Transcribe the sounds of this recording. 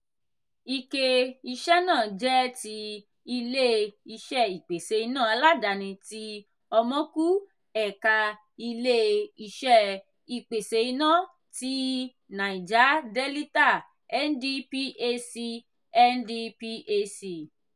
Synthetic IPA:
i˨ke˨i˧ʃɛ˦nãː˦˨d͡ʒɛ˦ti˧ | i˧le˦i˧ʃɛ˦˨i˨k͡pe˨se˨˧i˧nã˦˨a˧la˦da˧nĩ˧ti˧˦ | ɔ˧mɔ̃˦ku˦ | ɛ˨ka˧ | i˧le˦i˧ʃɛ˦ | i˨k͡pe˨se˧i˧nã˦˨ | ti˦ | nã˨i˨d͡ʒa˨˦de˦li˦ta˦˨ | ɛ˦n˦di˦pi˦ʔe˧si˧ | ɛ˦n˦di˧pi˧˦ʔe˧si˧˨

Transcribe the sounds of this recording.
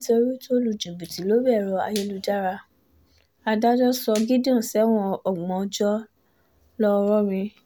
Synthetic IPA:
to˧ɾu˦to˦lu˨d͡ʒu˨bu˨ti˨˦lo˦bɛ˦˨ɾɔ˧a̰˧je˧lu˧d͡ʒa˦ɾa˧ | a˧da˦d͡ʒɔ˦sɔ˧ɡi˦dã˦˨sɛ˨˦w̃ɔ̃˧ɔ˦˨ɡ͡bɔ̃˨ɔ˧d͡ʒɔ˦ | lɔ˦˧ɾɔ˦ɾĩ˧

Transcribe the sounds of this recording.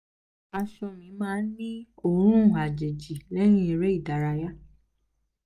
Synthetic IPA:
a˧ʃɔ˧mĩ˨˧˦mãː˦n̩˦nĩ˦o˦˨ɾ̃ũ˦˨a˨d͡ʒe˨d͡ʒi˨lɛ˦ñĩ˦e˧ɾe˦i˦˨da˨ɾa˨˧ja˦

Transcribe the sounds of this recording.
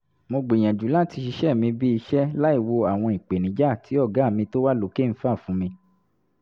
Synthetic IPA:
mo˧ɡ͡bi˨j̃ɛ̃˨d͡ʒu˨˦la˦˨ti˧ʃi˧ʃɛ˦˨mĩ˧bi˦i˧ʃɛ˦la˦i˦˨wo˧a˨w̃ɔ̃˧i˨k͡pe˨nĩ˨˦d͡ʒa˦˨tʰi˨˦ɔ˦˨ɡa˨˦˨mĩ˧to˦wa˦lo˨˦ke˦˨n̩˦fa˦˨fũ˨˦mĩ˧

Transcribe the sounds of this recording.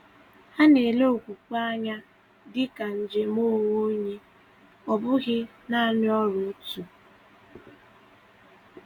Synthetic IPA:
ha˦ne˨le˦o˨kʷu˨kʷa˦ɲa˦ | dɪ˦ka˨n̩˨d͡ʒe˨mo˦wo˦ɲe˦ | ɔ˨bʊ˦ɣɪ˦ | na˦˨nɪ˦ɔ˦ɾʊ˨˦tu˨

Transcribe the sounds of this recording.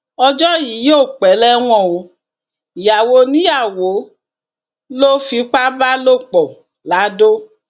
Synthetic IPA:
ɔ˧d͡ʒɔ˦ji˨˦jo˦˨k͡pɛ˨˦lɛ˦w̃ɔ̃˦˨o˧˦˨ | ja˨wo˧nĩ˦ja˦˨wo˨˦ | lo˦fi˧˦k͡pa˦ba˦lo˦˨k͡pɔ˨ | la˨˦do˦

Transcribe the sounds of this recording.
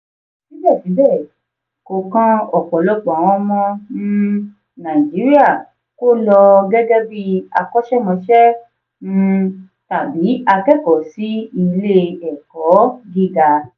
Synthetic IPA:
sĩ˦bɛ˦˨fi˨˦bɛ˦˨ | ko˨˧kã˦ɔ˦˨kɔ˨˦lɔ˦ɡ͡bɔ̃˨w̃ɔ̃˦mɔ̃˦nũ˦ | nã˨d͡ʒi˨˦ɾi˦a˦˨ | ko˦lɔ˧ɡɛ˦ɡɛ˦bi˦a˧kɔ˦ʃɛ˦mɔ̃˧ʃɛ˦ | nũ˦˧ | ta˨bi˨˦a˧kɛ˦˨kɔ˨˦si˦i˧le˦ɛ˨kɔ˨˦ɡi˦ɡa˧

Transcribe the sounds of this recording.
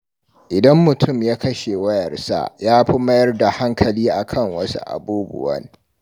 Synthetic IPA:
ʔɪ˨dɐ˦mːʊ˨tʰʊ˦˨mjaː˦kɐ˦ʃe˨wɐ˦jɐ˨rsa̰˦jaː˦ɸi˦mɐ˦jɐ˦rda˨ha˦ŋkʰɐ˨liː˦ʔa˨kʰɐ˦˨ŋwɐ˦sṵ˦ʔa̰˨buː˦bʊ̰˨wɐ̰˦n

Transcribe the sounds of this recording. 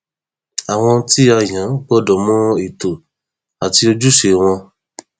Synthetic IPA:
a˨w̃ɔ̃˧ti˦a˧jã˨˦ɡ͡bɔ˦dɔ˨mũ˦i˨to˨ | a˨ti˧o˧d͡ʒu˦ʃe˧˨w̃ɔ̃˧

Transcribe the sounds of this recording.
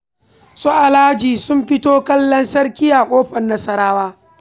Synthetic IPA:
sɔ˦ʔa˨laː˦d͡ʒiː˨sʊ˦mɸɪ˦toː˦kɐ˦lːɐ˦nsɐ˦ɽkʲɪ˦ja˨kʷʼoː˦ɸɐ˨nːɐ˦sɐ˦ɾaː˦waː˦

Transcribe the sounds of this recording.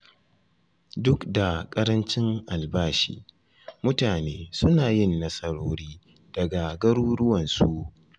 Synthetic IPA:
dʊ˦kda˨kʼɐ˦ɾɐ˦nt͡ʃɪ˦ŋʔa˨lbaː˦ʃḭː˦ | mʊ˦taː˨neː˦sʊ˦naː˨jɪ˦˨nːɐ˦sɐ˦ɾoː˦ɾiː˦ | d̥ɐ˨ɡa˨ɡɐ˦ɾuː˦ɽʊ˦wɐ˨nsu˦ʔ

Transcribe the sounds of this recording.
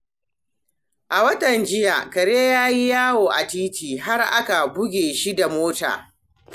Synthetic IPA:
ʔa˨wɐ˦tɐ˨nd͡ʒɪ˦ja̰˨kɐ˨ɽeː˦jaː˦ji˦jaː˦woː˨ʔa˨tiː˦tiː˨ɦa˦rʔa̰˦ka˨bʊ˦ɡʲeː˨ʃi˦da˨moː˦ta̰ː˨

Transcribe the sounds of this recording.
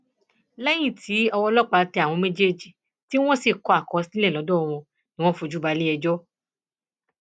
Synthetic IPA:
lɛ˦j̃ĩ˦˨tʰi˨˦ɔ˧wɔ˧lɔ˦k͡pa˧˦tɛ˧a˨w̃ɔ̃˧me˦d͡ʒe˦d͡ʒi˨ | ti˦w̃ɔ̃˦si˦˨kɔ˨a˨kɔ˨˧˦si˦ɛ˦˨ɔ˨˦dɔ˦ɔ˧w̃ɔ̃˧ | nĩ˦w̃ɔ̃˦fo˧d͡ʒu˦ba˨˧li˦ɛ˧d͡ʒɔ˦

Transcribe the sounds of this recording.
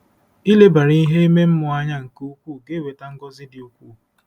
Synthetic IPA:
i˦le˦ba˨ɾi˦i˦ɦe˦e˦me˦m̩˦mʊ˨a˦ɲa˦ŋ̩˨ku˦u˦kʷu˦˨ɡe˦we˨ta˦ŋ̩˦ɡɔ˦zɪ˦dɪ˨u˦kʷu˦˨

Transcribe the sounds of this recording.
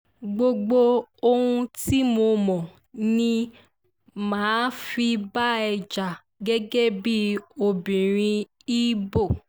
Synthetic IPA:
ɡ͡bo˧ɡ͡bo˧o˧hũ˧ti˦mo˧mɔ̃˨ | nĩ˧ | mãː˨˦fi˧ba˦ɛ˧d͡ʒa˨ | ɡɛ˦ɡɛ˦bi˦o˧bĩ˨ɾ̃ĩ˧ | i˦bo˦˨

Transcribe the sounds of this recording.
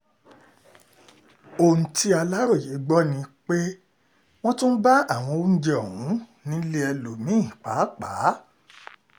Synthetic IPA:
o˨n̩˨ti˧˦a˧la˦ɾo˦˨ji˨˦ɡ͡bɔ˦nĩ˧k͡pe˦ | w̃ɔ̃˦tũ˦n̩˦ba˦a˦˨w̃ɔ̃˧o˨˦n̩˦d͡ʒɛ˦ɔ˨ũ˨˦ | nĩ˦le˦ɛ˧lo˨˦mĩ˦˨k͡pa˨˦k͡paː˨˦

